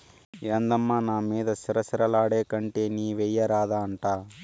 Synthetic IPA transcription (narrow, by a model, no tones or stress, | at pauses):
eːnd̪ɐmːaːnaːmiːd̪ɐsiɾɐsiɾɐlaːɽeːkɐɳʈeːniːʋɛjːɐɾaːd̪aːɐɳʈaː